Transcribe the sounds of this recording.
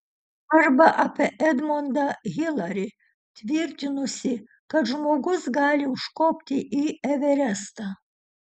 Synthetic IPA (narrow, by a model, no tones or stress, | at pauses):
ɐrbɐʔɐpʰʲɛʔɛd̪mond̪ɐɣʲilˠɐɾʲi | t̪ʲʋʲirʲt̪ʲinusʲɪ | kɐt̪ʒmoɡusɡɑːlʲiuʂkopʲt̪ʲiʔiɛʋʲɛɾʲæst̪ɐ